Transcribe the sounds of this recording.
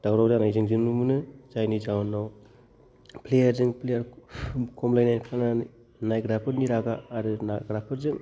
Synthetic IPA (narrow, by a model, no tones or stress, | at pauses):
d̥awɾawzanajzɯŋzɯnumunɯzajnizawnaw | pʰlejɐɾzɯŋpʰlejɐɾkʰɔmlajnajnpʰana | najɡɾapʰɯɾniɾaɡaːɾɯnaɡɾapʰɯɾzɯŋ